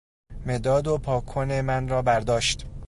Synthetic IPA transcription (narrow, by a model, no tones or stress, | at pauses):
me̞d̪ɒːd̪opʰɒːkʰːonemænɾɒːbæɾd̪ɒːʃt̪